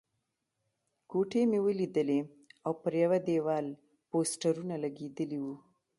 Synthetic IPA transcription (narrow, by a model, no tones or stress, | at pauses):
koʈemewəlid̪əle | awpəɾjawad̪ewɑl | posʈaɾunalaɡed̪əliwu